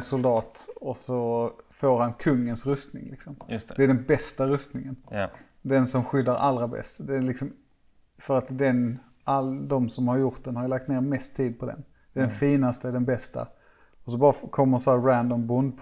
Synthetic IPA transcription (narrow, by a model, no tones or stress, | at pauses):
sʊld̪ɑːt̪ɔsɔfoːɾhankʰɵŋːənsɾɵst̪nɪ̰ŋlɪksɔmd̪ɛæɖɛnbɛst̪aɾɵst̪nɪŋən | d̪ɛnsɔmɧʏd̪ːaɾa̰lːɾabɛ̰st̪d̪ɛːlɪksɔm | fœɾat̪d̪ɛn | ʔald̪ɔmsɔmhaɾjʊɾʈ̪̚d̪ɛnhaɾjlak̚t̪neːɾmɛst̪ʰːiːd̪̚pʰɔd̪ɛ̰n | d̪̥ɛɖɛnfiːnast̪əɖɛnbɛst̪a̰ | ɔsɔbɑːɾakʰɔmːəɾsɔhæːɾɾænd̪ɔmbʊnd̪̚pʰ